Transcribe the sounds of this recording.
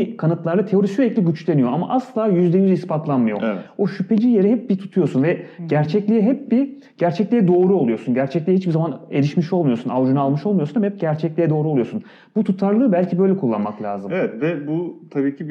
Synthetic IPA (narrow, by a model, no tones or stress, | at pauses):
kʰanɯt̪lˠaɾd̪at̪ʰe̞o̞ɾisyeclʲiɟyt͡ʃlʲe̞nijo̞ama̰ʔaslˠaːjyzd̪ɛjyzispat̪lˠanmɯjo̞̰o̞ʃypʰe̞d͡ʒije̞ɾiɦɛp̚bit̪ʰu̥t̪ʰujo̞sunvɛɟæɾt͡ʃʰɛclʲijɛɦɛp̚bi | ɟ̥æɾt͡ʃʰɛclʲijɛd̪o̞ːɾuo̞lˠujo̞sunɟæɾt͡ʃʰɛclʲijɛhit͡ʃbizamaneɾiʃmiʃo̞lˠmujo̞sunavʒunalˠmɯʃo̞lˠmujounmhɛp̚ɟæɾt͡ʃʰɛclʲijɛd̪o̞ːɾulˠjosun | but̪ʰut̪ʰaɾlˠɯːbælʲcʰibø̞jlʲɛkʰulˠːa̰nmaklʲa̰ːzɯmevɛt̪vɛbut̪ʰabiːcʰib